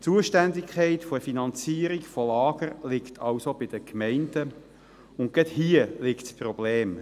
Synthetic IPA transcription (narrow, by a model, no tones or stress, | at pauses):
t͡suəʃtændɪkʰχɛɪt̪foəfinɑnt͡siːəɾikfɔlɑːɡəɾlɪkt̪ʰɑwsob̥ɪd̥̪əkmɛɪnd̪̥ə | ʊntɡ̥ɛthiəlɪktsprɔbleːm